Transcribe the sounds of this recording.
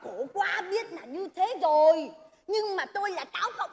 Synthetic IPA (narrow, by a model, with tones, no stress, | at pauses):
ko˧˩kwaː˧ɓi˦˥ət̚naː˨˩ɲɨ˧t̪ʰe˨˦zo˨˩j | ɲɨ˧ŋmaː˨˩t̪o˧jlaː˨˩kaː˨˦wkə̰˧˨wŋ͡m